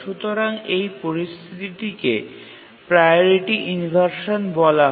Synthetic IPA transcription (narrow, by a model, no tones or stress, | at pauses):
ʃut̪oɾaŋejpoɾist̪ʰit̪iʈike | pɾajoɾiʈiʔinbʱaɾʃonbɔla